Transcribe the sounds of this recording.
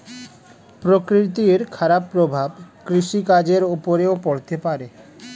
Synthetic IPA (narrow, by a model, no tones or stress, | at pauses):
pɾokɾit̪̬ieɾkʰaɾapːɾobʱabkɾiʃikad͡ʑeɾupoɾeopoɽt̪epaɾe